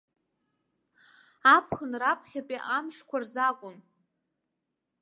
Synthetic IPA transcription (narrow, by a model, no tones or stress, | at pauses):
apʰχənrapʰχʲapʼiʔamʂkʷarzakʷʼʊn